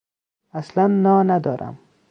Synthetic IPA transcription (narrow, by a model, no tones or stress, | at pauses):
aslanːɒnad̪ɒɾʔa̰m